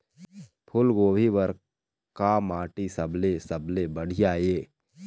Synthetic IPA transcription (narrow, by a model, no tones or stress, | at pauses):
pʰʊlɡoːbʱiʋəɾ | kamaːʈisɐbʱlesəbʱlebəɽ̤ijaːjeː